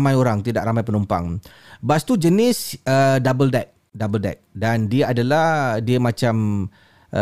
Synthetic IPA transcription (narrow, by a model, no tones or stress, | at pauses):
mãjoɾaŋt̪idaʔɾamãjpənumpa̰ŋ | bast̪ud͡ʒənɪsədabəldɛk̪̚ | dabəldɛ̰k̪̚dandiəʔadalahdiəmãt͡ʃam